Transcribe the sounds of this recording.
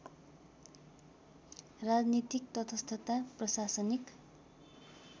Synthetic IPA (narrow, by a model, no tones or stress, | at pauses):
rad͡znit̪ik̚t̪ʌt̪ʰʌst̪ʰʌt̪aprʌsasʌnik